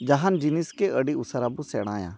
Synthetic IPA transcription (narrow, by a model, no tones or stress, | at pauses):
d͡ʒɐɦand͡ʒiniskeəɽiʊsəɾabusɛɽ̃a̰ːjã̰ː